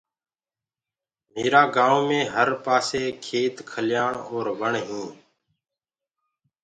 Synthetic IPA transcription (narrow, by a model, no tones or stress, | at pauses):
meːɾaːɡaːũːmẽːɦəɾpaːseːkʰeːt̪kʰəljaːɳoːɾʋəɳɦũː